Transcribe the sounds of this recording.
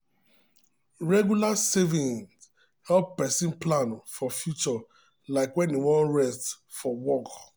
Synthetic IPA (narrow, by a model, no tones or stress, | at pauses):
ɹɛɡjulasevĩn | ɔpɛsĩnplãnfɔfjut͡ʃɔ | laɪkwɛ̃niwɔ̃nɹɛst | fɔwɔk